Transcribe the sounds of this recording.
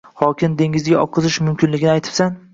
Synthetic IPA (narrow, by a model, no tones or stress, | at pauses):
hɒkʲʰɪnd̪e̞ŋʲɪzɡʲaɒ̰qʰːɨzɪʃmʊmkʲɪnlɪɡʲɪnɪajt̪ʰɪ̥san